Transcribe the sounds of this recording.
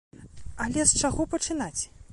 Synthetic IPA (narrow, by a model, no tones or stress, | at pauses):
ɐlʲɛst͡ʂaɣɔpɐt͡ʂɨnat͡sʲ